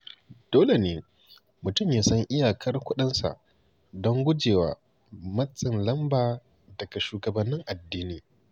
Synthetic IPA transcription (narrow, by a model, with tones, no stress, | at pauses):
d̥oː˦le˨neː˨ | mʊ˨tʊ˦mjaː˦sɐ˦ŋʔɪ˦jaː˨kʰɐ˦rkʷʊ˦ɗɪ˦nsa̰˨ʔ | dɔ˦ŋɡʷʊ˦d͡ʒeː˨waː˨ | mɐ˦t͡sʼːɪ˨nlɐ˦mbaː˨ | dɐ˨ɡa˨ʃuː˨ɡɐ˨bɐ˦nːɪ˦ŋʔa˨dːiː˦niː˨